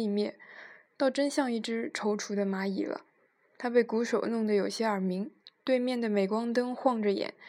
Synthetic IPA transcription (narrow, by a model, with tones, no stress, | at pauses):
i˥˧mjɛ˥˩nt̪ɑ˥˩ʊʈ͡ʂə˥nɕjɑ˥˧ŋi˥˩ʈ͡ʂɻ̩˥ʈ͡ʂʰo˧˥ʊʈ͡ʂʰu˧˥d̪ə˧ma˧˥ḭ˨˩lə̰˦ | t̪ʰa˥pe˥˩ɪku˧˥ʂo˨˩ʊnʊ˥˩ŋd̪ə˩jo˨˩ʊɕjɛ˥ə˞˨˩mi˧˥ŋt̪we˥˧ɪmjɛ˥˩nd̪ə˩me˨˩ɪkwɑ˥ŋt̪̬ɤ˥ŋxwɑ˥˧ŋʈ͡ʂə˨˩jɛ̰˨˩˦n